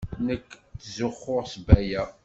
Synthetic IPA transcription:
nəkːθzʊχːʊʁsbæjæ

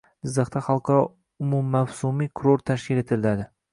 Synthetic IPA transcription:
ɪzd̪ɑχt̪aχɑlˠqʰɑ | ʊmumːawsumikʰʊɾoɾt̪ʰaʃkʲɪle̞t̪ʰɪlɪlad̪ɪ

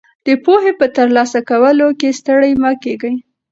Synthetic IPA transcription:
d̪̥əpoɦepət̪əɾlɑsakawəlokest̪əɽəjmɑkeɡəj

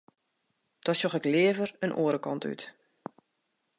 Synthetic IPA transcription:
d̥ɔsoxɛklɪəvərənʔo̰ːəɾəkɑnty̰t

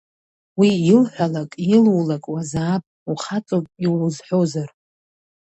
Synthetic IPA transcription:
wiɪlħʷᶣalakʼjɪlwulakʼwazaːpʼuχat͡sʼopʼiwuzħʷᶣozar

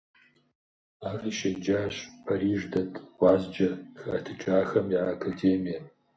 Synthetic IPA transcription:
aːriʃɐd͡ʒaːɕpʰɐɾiːʐdɐtʰʼwʷɑːzd͡ʒɐxɐtʰɨt͡ʃʼaːxɐmjiʕakʰɐdeːmijɐ

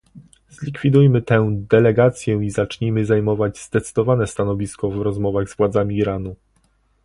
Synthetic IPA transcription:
zlʲikfʲid̪ujmɘt̪ɛd̪ɛlɛɡat̪sʲjɛizat͡ʂɲimɘzajmɔvad͡ʑz̥d̪ɛt̪sɘd̪ɔvanɛst̪anɔvʲiskɔvɾɔzmɔvaɣzvwad̪zamʲiːɾanu

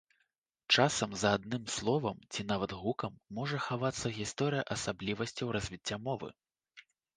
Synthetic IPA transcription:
t͡ʂasɐmzad̪nɨmslˠɔvɐmt͡sʲinavɐd̪ɣukɐmːɔʐɐxavat̪sːɐɣʲist̪ɔɾɨjɐʔɐsablʲivɐsʲt͡sʲɐwɾɐzʲvʲit͡sʲːamɔvɨ̰

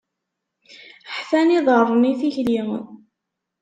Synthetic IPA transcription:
ħθæniðˤərˤniθiçliʁə̰n

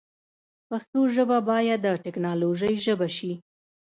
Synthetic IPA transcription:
paxt̪oʒəbabɑjad̪ːəʈɪknɑloʒəjʒəbaʃi

